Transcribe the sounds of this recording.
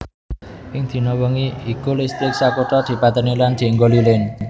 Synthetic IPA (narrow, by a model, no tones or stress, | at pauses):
ʔɪŋd̪̥i̤nɔwɔŋiikulɪst̪ɪk̚sakoʈɔd̪̥i̤pat̪əniland̪̥i̤ŋɡolilɪn